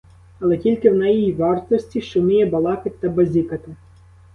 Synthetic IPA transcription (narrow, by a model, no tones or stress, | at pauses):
ɐlˠɛtʲilʲkɪwnɛjijiʋɑrt̪ɔsʲtʲiʃt͡ʃɔmʲijɛbɐlˠɑkɪtʲt̪ːɐbɐzʲikɐt̪ɪ